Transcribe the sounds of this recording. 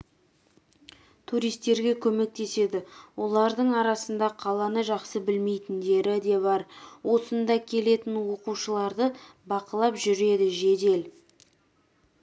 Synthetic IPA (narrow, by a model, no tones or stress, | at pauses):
t̪ʰuɾijst̪e̞ɾɡʲe̞kʲʰɵme̞k̚t̪e̞se̞d̪ɪwo̞lˠɑɾd̪əɴɑɾɑsənd̪ɑqʰɑlˠɑnəʒɑqsəbɪlme̞jt̪ɪnd̪e̞ɾɪd̪e̞βɑɾwo̞sənd̪ɑkʲʰe̞le̞t̪ɪnwo̞quʃəlˠɑɾd̪əbɑqəlˠɑpʒʏɾe̞d̪ɪʒe̞d̪e̞l